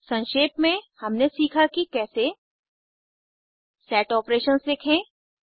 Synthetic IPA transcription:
sɐ̃nʃeːpmẽhɐmnesiːkʰakikɛːse | sɛːʈɔːpɾeːʃənsdɪkʰẽː

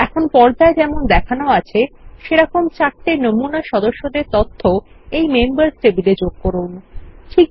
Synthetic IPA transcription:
ɛkʰonpɔɾd͡ʑaed͡ʑɛmond̪ɛkʰanooat͡ɕʰeʃeɾɔkʰomt͡ɕakʈenomunaʃɔd̪oʃːod̪eɾt̪ɔt̪ʰːo | ejmembaɾsʈebiled͡ʑoɡ̚kɔɾunʈʰi

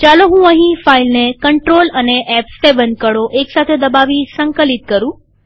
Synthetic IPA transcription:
t͡ʃaloɦũəɦĩfailnekəɳʈɾoləneʔɛpseʋənkəɽoʔeksat̪ʰed̪əbaʋisəŋkəlit̪̚kəɾũ

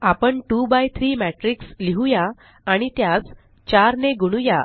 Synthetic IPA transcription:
apəɳʈubajt̪ʰɾiːmæʈɾiksliɦujaː | ɽ̃it̪jat͡s | t͡ɕaɾneɡuɽ̃uja̰

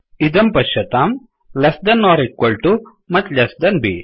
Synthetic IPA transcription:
id̪ɐmpɐʃɐt̪aːm | lesd̪ɐnːɔːɾikwɐlʈu | mɐt̪lesd̪ɐnbḭ

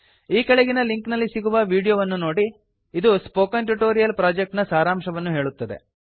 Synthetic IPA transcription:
iːkɐɭeɡinɐliŋknɐlːisiɡuʋɐʋiːɽijoːʋɐnːuno̞ːɽi | id̪uspoːkɐnʈuʈoːɾijɐlpɾaːd͡ʒek̚ʈnɐsaːɾaːmʂɐʋɐnːuɦe̞ːɭut̪ːɐd̪e̞̰

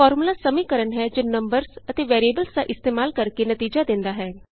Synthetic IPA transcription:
ɔːɾmulaːsəmiːkəɾənɦɛːd͡ʒoːnəmbəɾsət̪eːʋɛːɾieːbəlsd̪a̰ʔɪst̪eːmaːlkəɾkenət̪iːd͡ʒaːd̪ɪ̃nd̪aːɦɛː

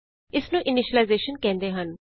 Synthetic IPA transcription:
ɪsnũːʔɪnɪʃəlaɪzeːʃənkɛ̃ːnd̪eːɦən

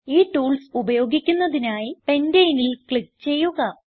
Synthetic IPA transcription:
iːʈuːlsubɐjo̞ːɡikʲːunːɐðinaːjipe̞ndejinilkɭik̚t͡ɕe̞jːuɣɐ

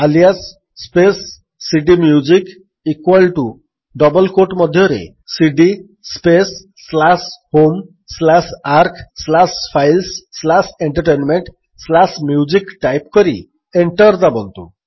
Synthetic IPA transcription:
alijas | spesː | iɖimjud͡ʒik | ikwalʈu | ɖɔbɔlkoʈmɔd̪ʱjɔɾḛ | siɖi | spesː | lashom | slasaɾkʰslaspʰajlsːlaseɳʈəɾʈenmeɳʈ | slasmjud͡ʒikʈajpkɔɾḭ | eɳʈɔɾd̪abɔnt̪ṵ

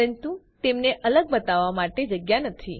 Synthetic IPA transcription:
əənt̪ut̪emneʔələɡ̚bət̪aʋːamaʈed͡ʒəɡjanət̪ʰi

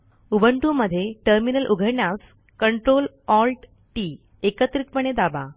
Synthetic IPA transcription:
ubʱəɳʈuməd̪ʱːjeʈəɾminəlʔuɡʱəɾɳjas | kəɳʈɾol | ɔlʈ | ʈi | ekət̪ɾit̪̚pəɳ̃ed̪aba

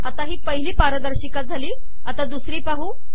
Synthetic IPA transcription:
at̪aɦiːpəɦiliːpaɾəd̪əɾɕikat̪̚d͡zʱaliː | at̪ad̪usɾiːpaɦuː

